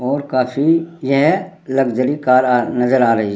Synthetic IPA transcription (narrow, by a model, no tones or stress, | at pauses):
ɔːɾkaːfʰijɛɦlɐɡd͡ʒəɾikaːɾnɐzəɾaːɾɐɦi